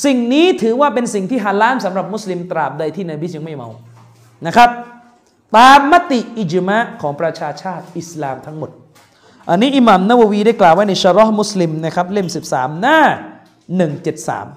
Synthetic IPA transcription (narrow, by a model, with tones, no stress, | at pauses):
si˨˩ŋniː˦˥t̪ʰɯː˩˦waː˥˩p̬e˧nsi˨˩ŋt̪ʰiː˥˩ɦaː˨˦˥nlaː˦˥msa˩˦mɾa˨˩p̚mu˦˥sli˧mt̪ɾaː˨˩p̚da˧jt̪ʰiː˥˩naː˧bi˦˥ja˧ŋma˥˩jma̰˧w | na˦˥kʰɾa˦˥p̚ | t̪aː˧mːa˦˥t̪i˨˩ʔi˨˩d͡ʒma˦˥ʔkʰɔː˩˦ŋpɾa˧t͡ɕʰaː˧t͡ɕʰaː˥˩t̪̚ʔi˨˩slaː˨˧mt̪ʰa˦˥ŋmo˨˩t̪̚ | ʔa˧nːiː˦˥ʔi˨˧˦maː˨mna˦˥˩wa˧wiː˧da˥˩jklaː˨˩wːaː˥˩na˧jsa˧ɾɔ˦˥hmu˦˥sli˧mna˥˩kʰɾa˦˥p̚le˥˩msi˨˩p̚saː˩˦mnaː˥˩ | nɯ˨˩ŋt͡ɕe˨˩t̪̚sa̰ː˩˦m